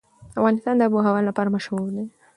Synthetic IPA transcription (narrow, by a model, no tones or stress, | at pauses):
afɣanɪst̪and̪əbuɦawalːapaɾamaʃɣule